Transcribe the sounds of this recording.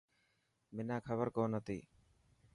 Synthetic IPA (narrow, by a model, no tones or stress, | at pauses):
mɪnaːkʰəbəɾkoːnət̪ḭː